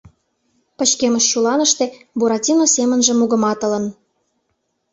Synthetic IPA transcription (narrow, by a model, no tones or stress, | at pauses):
pə̆ɕkemə̆ʃːulɑnə̆ʃt̪ĕbuɾɑtʲinosemə̆nʒĕmuɣə̆mɑt̪ə̆lə̆n